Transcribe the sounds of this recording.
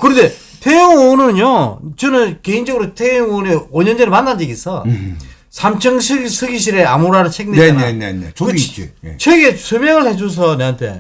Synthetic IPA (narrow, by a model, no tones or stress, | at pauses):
kɯɾʌnde̞ | tʰejɯŋonɯnjot͡ɕɯnɯnke̞ind͡ʑʌɡɯɾotʰejɯŋoneoɲʌnd͡ʑeɾɯɭmanːand͡ʑiɡisʰʌ | sʰamt͡ɕʰʌŋɕʰisʰɯɡiɕ̬ʰiɾeamuɾaɾɯɭt͡ɕʰekneneḛkɯt͡ɕʰweɡesʰɯmjʌŋɯɭhed͡ʑos̬ʰʌneantʰe̞̰